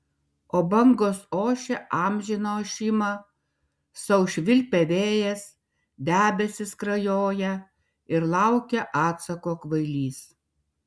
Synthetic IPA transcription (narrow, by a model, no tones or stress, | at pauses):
oːbɐŋɡoːsoːʃʲɛʔɑːmʲʒʲɪnoʃʲɪmɐ | sɐʊʃʲʋʲɪlʲpʲɛʋʲeːjɛs | d̪ʲæːbʲɛsʲɪskɾɐjoːjɛ | ɪɾlˠɐˑʊkʲɛʔɑːt̪sɐkoːkʋɐɪlʲiːs